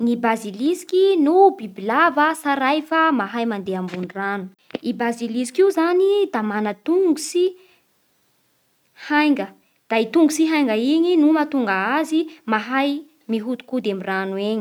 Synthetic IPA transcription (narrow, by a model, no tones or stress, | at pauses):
nibazilisi̥kinubibilavəsaɾajfamaɦajmand̪eambunranu | ibazilisi̥kiwzanid̪̥amanət̪uŋɡusi | hajŋɡə | d̪̥ait̪uŋɡusiɦajŋɡəiɲinumat̪uŋɡəazimaɦaj | miɦut̪u̥kud̪amiranueɲi̥